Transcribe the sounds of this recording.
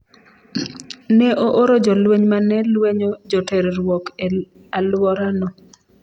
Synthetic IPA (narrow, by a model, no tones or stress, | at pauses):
nɛʔoʔoɾod͡ʒɔlweɲmanɛlweɲod͡ʒoteɾɾwɔke | alwɔɾanɔ